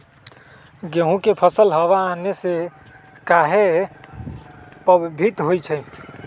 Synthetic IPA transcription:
ɡeɦũkepʰəsəlɦəβaːnese | kaɦe | pəbbʱit̪ɦojt͡ʃʰəj

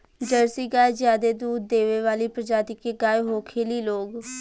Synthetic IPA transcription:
d͡ʒəɾsiːɡaːed͡ʒjaːd̪eːd̪uːd̪̚ːeːʋeːʋaːliːpɾəd͡ʒaːt̪ɪkeːɡaːeɦoːkʰeːliːloːɡ

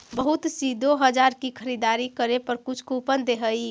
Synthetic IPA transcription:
bəɦut̪sid̪ʱoɦəd͡ʒaɾkikʰəɾid̪aɾikəɾepəɾkut͡ʃʰkopənd̪eɦəj

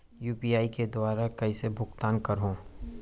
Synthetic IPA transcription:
juːpiːaːiked̪ʊwaːɾakɐisebʱʊkt̪aːnkɐɾɦõː

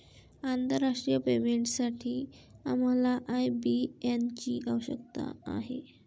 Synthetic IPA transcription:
ant̪əɾːaʂʈɾijəpemeɳʈsaʈʰiː | am̤alaʔajbient͡ɕiʔawɕə̰kt̪a̰a̰ɦe

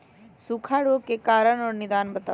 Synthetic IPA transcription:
sukʰaːɽoːkekaːɾəɳɔːɾnɪd̪aːnbət̪aː

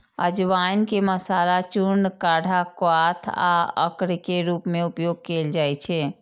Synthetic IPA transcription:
əd͡ʒʋankeməsalat͡ʃunkaɽʱakwat̪ʰa̰ə̰kɾkeɾupmeupjoɡ̚keld͡ʒajt͡ʃʰɛ

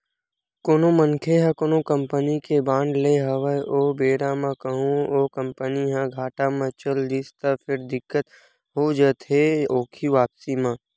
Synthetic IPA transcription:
koːnomənkʰeɦɛ̃koːnõkəmpənikebãːɳɖleɦəʋəʔoːbeːɾamãkəɦũoːkə̃mpəniɦãɡʱaːʈamãt͡ʃəld̪ɪst̪afʰɪɾd̪ɪkːət̪ | ɦod͡ʒət̪ɦeoːkʰiʋaːpsimã

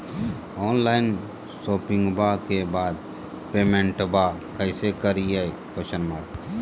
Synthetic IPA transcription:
ɔːnlaːɪn | soːpɪ̃ŋɡbakebaːd̪ | peːmẽɳʈbakəɪsekəɾiaj | kəʃənmaːɾ

